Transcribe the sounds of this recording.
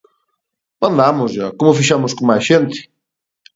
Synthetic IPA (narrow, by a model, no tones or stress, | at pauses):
bãnd̪amʊzʒakomʊfiʃamʊskõmajsʃent̪ɪ̥